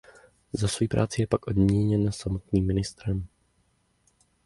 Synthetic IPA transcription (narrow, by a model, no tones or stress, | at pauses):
zasvojipɾʔa̰ːt͡sɪjɛpakʔo̞dmɲɛɲɛnsamot̪niːmːɪnɪst̪ɾɛm